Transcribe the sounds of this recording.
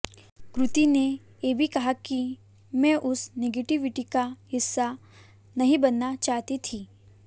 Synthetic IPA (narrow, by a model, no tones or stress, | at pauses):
kɾʊt̪ine | jeːbʱikɐɦaki | mɛ̃ʔʊsneɡeʈiʋɪʈikaɦɪsːa | nɐɦĩbɐnːat͡ʃaːɦt̪it̪ʰiː